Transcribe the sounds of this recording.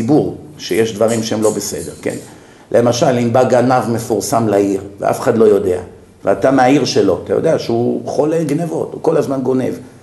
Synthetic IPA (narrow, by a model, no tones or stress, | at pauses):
ibuʁʃejeʃd̪vaʁimʃeemlo̞bese̞d̪e̞ʁke̞̰n | lʔe̞maʃalimbaɡanavme̞fuʁsamlaiʁvea̰fe̥χadlo̞jo̞de̞a̰ | veatameaiʁʃe̞lo̞t̪ajo̰d̪eaʃeuχo̞leɡnevo̞̰tuko̞lazmanɡo̞ne̞̰v